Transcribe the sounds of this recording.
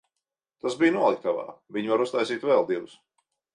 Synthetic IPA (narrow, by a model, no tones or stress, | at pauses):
t̪asbijnuɔlˠik̚k̪ava̰ːviɲvaɾust̪ajsiːt̪vɛlˠd̪iɛvus